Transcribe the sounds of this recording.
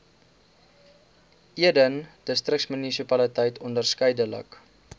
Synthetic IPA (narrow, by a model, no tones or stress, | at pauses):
iədənd̥əstrəksmynisipɐlətəjtʰɔndərskəjdələ̰k